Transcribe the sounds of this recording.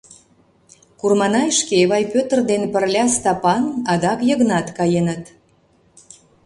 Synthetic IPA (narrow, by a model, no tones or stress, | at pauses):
kurmɑnɑjʃkeβɑjpøt̪ərd̪enpərlʲɑst̪ɑpɑnɑd̪ɑkjəɣnɑt̪kɑjenət̪